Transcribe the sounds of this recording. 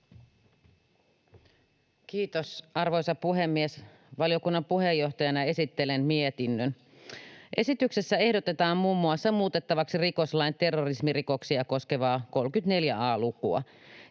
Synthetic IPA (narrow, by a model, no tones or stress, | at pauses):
kiːt̪osɑrʋo̞jsɑpuɦe̞mːies | ʋɑlijo̞kunːɑmpuɦe̞jːo̞ht̪ɑjɑnɑe̞sit̪ːe̞lenmiet̪inːøn | ʔe̞sit̪ykse̞sːæe̞hdot̪et̪ɑːmmuːmːuɑsːɑmuːt̪e̞t̪ːɑʋɑksiriko̞slɑjnt̪e̞rːorismiriko̞ksiɑko̞ske̞ʋɑːko̞lkyt̪ne̞ljæɑːlukuɑ̰